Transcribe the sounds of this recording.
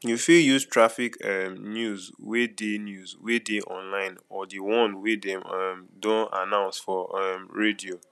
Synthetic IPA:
jufiljuztʰɹafikɛmnjuzwedenjuzwedeʔɔ̰̃nlãɪ̃nɔdiwɔ̃nwedɛ̃mɛmdõna̰nãʊ̃nsfɔɛmɹedio

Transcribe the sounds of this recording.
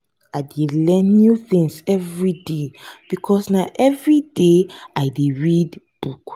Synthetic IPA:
aɪdelɛ̃nːjjuθĩŋsɛvɹideb̥ikʰɔsnaʔɛvɹideaɪdeɹid | b̥uk

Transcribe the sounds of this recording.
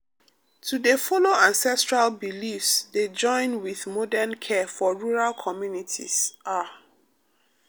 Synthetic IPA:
tʰudefɔloãnsɛstɹalbilifsded͡ʒɔ̃ɪ̃nwiðmɔdɛnkʰɛfɔɹuɹalkʰɔmjunitʰḭsʔa

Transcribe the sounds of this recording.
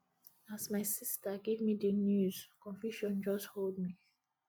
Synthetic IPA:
asmaɪsistaɡevmidənjuz̥kʰɔ̃ɱfjuʃɔ̃nd͡ʒɔsthold̚mi

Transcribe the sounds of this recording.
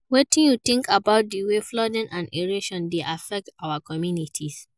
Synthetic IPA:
wetĩnjutĩŋkabaʊt̚diweflɔd̃nʔãneɹeʃɔ̃ndeʔafɛk̚tawakɔmjunitʰis

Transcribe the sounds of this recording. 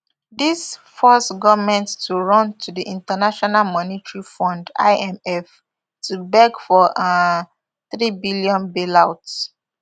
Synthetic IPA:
disfɔstɡɔvmɛ̃nttuɹɔ̃ntʰudiʔĩntanaʃɔnalmɔnitɹifɔ̃nda̰ɪɛmɛf | tʰubɛɡfɔ | θɹibilijɔ̃nbilaʊts

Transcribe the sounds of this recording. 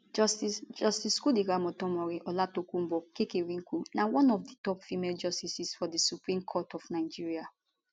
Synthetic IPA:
d͡ʒsid͡ʒɔstiskudiɡamɔtɔ̃mɔɹiʔɔlatokũm̩bɔkekeɹĩŋkunawɔ̃nɔfditɔpfimeld͡ʒɔstisisfɔdisupɹĩmkʰɔtɔfnaɪd͡ʒiɹia

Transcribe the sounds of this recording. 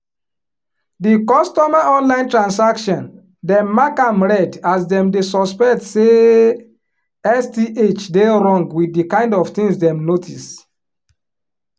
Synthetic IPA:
dikɔstɔmaʔɔ̃nlãɪ̃ntɹãnsakʃɔ̃n | dɛ̃mːakãmɹɛdasdɛ̃mdesɔspɛktse | ɛstiʔet͡ʃdeɹɔ̃ŋɡwiθdikãɪ̃ndɔv̥tĩŋsdɛ̃mnotʰis

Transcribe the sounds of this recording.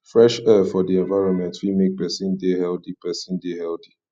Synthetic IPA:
fɹɛʃɛfɔdiɛ̃nvaɪɹɔ̃nmɛ̃ntwimek̚pɛsĩndehɛldipɛsĩndehɛldi

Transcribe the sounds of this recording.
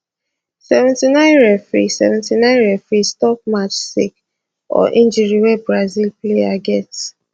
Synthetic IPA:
sɛvɛ̃ntinãɪ̃nɹɛfɹḭsɛ̰vɛ̃ntinãɪ̃nɹɛfɹistɔp̚mat͡ʃsik | ɔ̰ʔĩnd͡ʒiɾiwɛbɹazilplejaɡɛt

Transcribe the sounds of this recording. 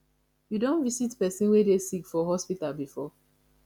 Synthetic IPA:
judõnvisitpɛsĩnwedesikfɔɦɔspitalbifɔ

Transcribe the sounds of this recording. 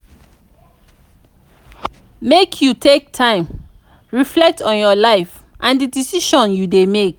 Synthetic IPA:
mekʰjutʰek̚tʰãɪ̃m | ɹiflɛk̚tʰɔ̃njɔlaɪf | ʔãndidisiʃɔ̃njudemek

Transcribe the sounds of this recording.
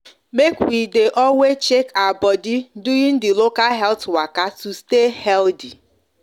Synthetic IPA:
mekwideʔɔwet͡ʃekaabɔdiduĩn̩dɪlokalɦɛltwakatustehɛldi

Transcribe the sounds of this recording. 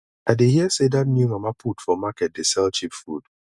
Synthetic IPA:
aɪdehiəsedat̚njumamapʰutfɔmakɛt̚desɛlt͡ʃipfud̥

